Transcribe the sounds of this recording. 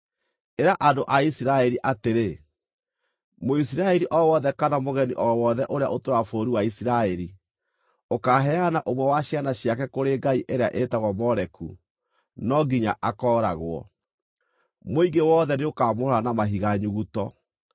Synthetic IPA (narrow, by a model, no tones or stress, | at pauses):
eɾaʔadoʔaisiɾaɛɾiʔateɾe | mois̬iɾaɛɾiʔɔwɔðɛkanamoɣɛniʔɔwɔðɛʔoɾeaʔotoɾafoːɾiwaisiɾaɛɾi | okaɦɛanaʔomwɛwaɕianaɕjakɛkoɾeɡaiʔeɾeaʔetaɣɔmɔɾɛkṵ | nɔɡiɲa̰ʔakɔːɾaɣwɔ̰ | moiɡewɔːðɛneokaːmohɾanamaɦiɣaɲuɣutɔ